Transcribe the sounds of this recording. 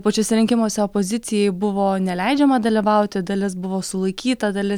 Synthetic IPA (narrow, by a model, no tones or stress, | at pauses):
pɐt͡ʃʲoːsʲɛɾʲɪŋʲkʲɪmoːsʲɛoːpoːzʲɪt̪sʲɪjɛɪbʊʋoːnʲɛlʲɛɪd͡ʒʲɛmɐd̪ɐlʲiʋɐʊt̪ʲɪd̪ɐlʲɪsbʊʋoːsʊlˠɐɪkʲiːt̪ɐd̪ɐlʲɪ